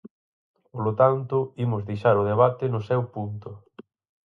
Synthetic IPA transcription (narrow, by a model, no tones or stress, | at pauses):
polʊt̪ant̪ʊimʊzðejʃaɾʊð̞eβ̞at̪ɪnʊsɛwpunt̪ʊ